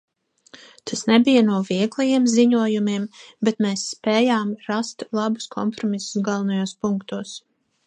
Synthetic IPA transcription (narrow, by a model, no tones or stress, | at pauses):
t̪ʰasnebijanuɔviɛɡlˠɛjiɛmziɲuɔjumimbet̪meːsːpeːjaːmɾast̪lˠabu̥skʰɔ̰mpɾɔmisu̥sɡalˠnajoːspuŋkt̪uɔs